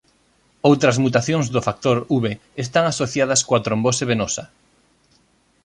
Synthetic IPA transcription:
owt̪ɾɐzmut̪aθjoŋzðʊfak̚t̪oɾuβeːst̪aŋasoθjað̞ɐskoat̪ɾomboseβenosɐ

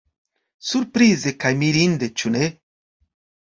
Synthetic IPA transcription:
suɾpɾizekajmiɾind̪et͡ʃune

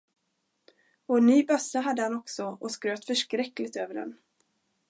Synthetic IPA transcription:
ɔɛnːyːbœsːaɦad̪ːəhanɔksɔɔskɾøːt̪fœʂkɾɛkːlɪɡt̪øːvəɖɛ̰n

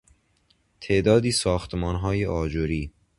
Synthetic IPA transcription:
t̪ʰeʔd̪ɒːd̪iːsɒːxt̪ʰemɒːnɦɒːjeʔɒːd͡ʒoɾiː

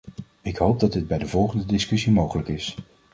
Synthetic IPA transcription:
ɪkɦowp̚dɑdɪd̚bɛjdəvɔlˠχəndədɪskɵsimowχələkɪs

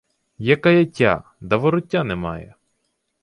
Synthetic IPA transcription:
jɐkɐjɐtʲːa̰ | d̪ɐʋɔɾʊtʲːanɛmɑ̰jɛ̰

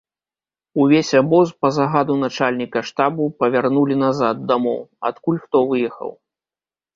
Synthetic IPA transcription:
uvʲesʲabɔspɐzaɣad̪un̪at͡ʂalʲnʲikɐʂt̪abupɐvʲarnulʲin̪azad̪̚ːamɔwa̰t̪kulʲxt̪ɔvɨjɛxɐ̰w

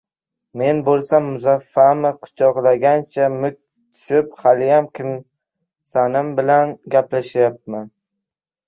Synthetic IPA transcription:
me̞nbolˠsamːʊzafːamɪqʰʊ̥t͡ʃʰɒqlˠaɡʲant͡ʃʰamʊk̚ʲ | t̪ʰʊ̥ʃɪphalɪjamkʲʰɪm | sanɪmbɪlanɡʲaplaʃajap̚man

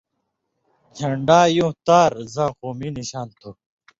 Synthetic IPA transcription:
d͡ʑʰʱɐɳɖaːjũt̪aːɾzãːquːminiɕaːnt̪ʰo

